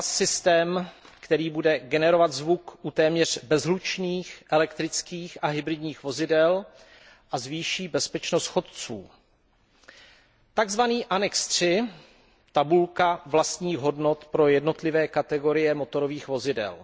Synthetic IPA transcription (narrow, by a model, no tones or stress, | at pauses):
sɪst̪ɛːmkt̪ɛɾiːbudɛɡɛnɛɾo̞vat̪zvukʔut̪ɛːmɲɛr̝̥bɛzɦlut͡ʃniːxʔɛlɛkt̪ɾɪt͡skiːxʔaɦɪbɾɪdɲiːxvo̞zɪdɛl | ʔazviːʃiːbɛspɛt͡ʃnost̪xo̞t̪̚t͡suː | t̪aɡzvaniːʔanɛkst̪r̥ɪ | t̪abulkavlast̪ɲiːɣɦo̞dno̞t̪pɾo̞jɛdno̞t̪lɪvɛːkat̪ɛɡo̞ɾɪjɛmo̞t̪o̞ɾo̞viːxvo̞zɪdɛ̰l